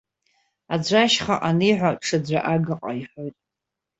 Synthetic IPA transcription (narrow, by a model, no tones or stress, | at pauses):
ad͡ʒʷaʃχaʔaniħʷaʈ͡ʂʰɨd͡zʷaʔaɡaqʼa̰iħʷojtʼ